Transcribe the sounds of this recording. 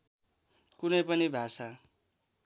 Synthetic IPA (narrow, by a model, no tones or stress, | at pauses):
kunʌjpʌnibʱasa